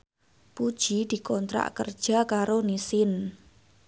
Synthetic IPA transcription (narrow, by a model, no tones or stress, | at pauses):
pud̥ʒ̥id̪̥i̤kɔnt̪ɾa̰ʔkə̰rd̥ʒ̥a̤kaɾonisɪn